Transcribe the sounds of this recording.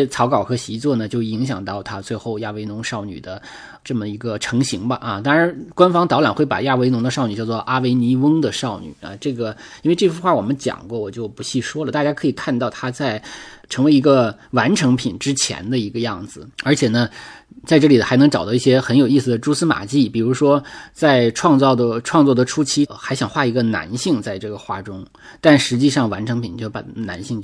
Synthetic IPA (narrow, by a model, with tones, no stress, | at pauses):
ɛ˥t͡sʰɑ˧˥ʊkɑ˨˩ʊxɤ˧˥ɕi˧˥t͡swɔ˥˩nə˩t͡ɕjo˥˩ʊi˧˥ŋɕ̬jɑ˨˩ŋt̪ɑ˥˩ʊt̪ʰa˥t͡swe˥˧ɪxo˥˧ʊja˥˩we˧˥ɪnʊ˧˥ŋʂɑ˥˩ʊny̰˨˩d̪ə˦ | ʈ͡ʂɤ˥˩mə˩i˧˥ɡə˧ʈ͡ʂʰɤ˧˥ŋɕi˧˥ŋbɐ˧ʔɐ˧t̪ɑ˥ŋɻa˧˥nkwa˥nfɑ˥ŋt̪ɑ˧˥ʊla˨˩nxwe˥˩ɪpa̰˨˩ja˥˩we˧˥ɪnʊ˧˥ŋd̪ə˧ʂɑ˥˩ʊny˨˩t͡ɕjɑ˥˧ʊt͡swɔ˥˧˩ʔa˥we˧˥ɪni˧˥wɤ˥ŋd̪ə˨ʂɑ˥˩ʊny̰˨˩˦ɐ̰˧˩ʈ͡ʂɤ˥˩ɡə˩ji˥n˥e˧ɪʈ͡ʂɤ˥˩ɕu˥xwa˥˩wɔ˨˩mə˦nt͡ɕjɑ̰˨˩ŋkwɔ˥˩wɔ˨˩t͡ɕjo˥˩ʊpu˧˥ɕi˥˩ʂwɔ˥lə˨˩t̪a˥˩t͡ɕja˥kʰɤ˧˥i˨˩kʰa˥˧nt̪ɑ˥˩ʊt̪ʰa˥t͡sa˥˩ɪʈ͡ʂʰɤ˧˥ŋwe˧˥ɪi˧˥ɡə˧wa˧˥nʈ͡ʂʰɤ˧˥ŋpʰi˨˩nʈ͡ʂɻ̩˥t͡ɕʰjɛ̰˧˥nd̪ə˧i˧˥ɡə˧jɑ˥˩ŋd͡zɹ̩˩ə˞˧˥t͡ɕʰjɛ˨˩nə˦t͡sa˥˧ɪʈ͡ʂɤ˥˩li˨˩xa˧˥ɪnɤ˧˥ŋʈ͡ʂɑ˨˩t̪ɑ˥i˥˩ɕjɛ˥xə˧˥njo˨˩ʊi˥˩s̩˩d̪ə˩ʈ͡ʂu˥sɹ̩˥ma̰˨˩t͡ɕi˥˩pi˨˩ɻu˧˥ʂwɔ˥t͡sa˥˧ɪʈ͡ʂʰwɑ˥˧ŋt͡sɑ˥˩ʊd̪ə˩ʈ͡ʂʰwɑ˥˧ŋt͡swɔ˥˩d̪ə˩ʈ͡ʂʰu˥t͡ɕʰi˥xa˧˥ɪɕjɑ˨˩ŋxwa˥˩i˧˥ɡə˧na̰˧˥nɕi˥˧ŋt͡sa˥˧ɪʈ͡ʂɤ˥˩ɡə˩xwa̰˥˩ʈ͡ʂʊ˥ŋ | t̪a˥˩nʂɻ̩˧˥t͡ɕi˥˧ʂɑ˥˩ŋwa˧˥nʈ͡ʂʰɤ˧˥ŋpʰi˨˩nt͡ɕjo˥˩pa̰˨˩na̰˧˥nɕi˥˧ŋ